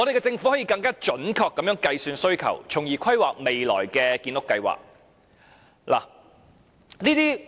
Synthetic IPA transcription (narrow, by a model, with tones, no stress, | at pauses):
ŋɔ˨˧d̪e˨kɛ˧t͡sɪ˧ŋfu˨˥hɔ˨˥ji˨˧kɐ˧ŋkaː˥t͡ʃɵ˨˥nkʰɔː˧kːɐ˨˥mjœː˨˥ŋkɐ˧jsyː˧nsɵ˥ɥkʰɐ̰˨˩wt͡ʃʰʊ˨˩ŋjiː˨˩kʷʰɐ˥jwa̰ː˨k̚me˨jlɔ̰ː˨˩jkɛː˧kiː˧nlʊ˥kːɐ˧jwa̰ː˨˩k̚ | lʔa̰ː˨˩ | niː˥t̪iː˥